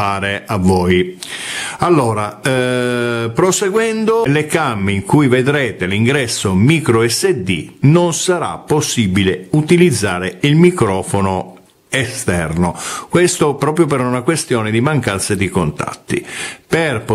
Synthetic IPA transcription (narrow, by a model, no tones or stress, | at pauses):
aːɾeavːɔːj | alːoːɾa | pɾoseɡwɛnd̪olekamːeiŋkujved̪ɾɛːt̪eliŋɡɾɛsːomiːkɾoɛsːed̪ḭnonsaɾa̰pːosːibileut̪ilid̪zːaːɾeilmikɾɔːfono | est̪ɛ̰rnokwest̪opɾɔːpɾjop̬eɾunakwest̪jɔːned̪imaŋkant̪sed̪ikont̪a̰t̪ːḭperp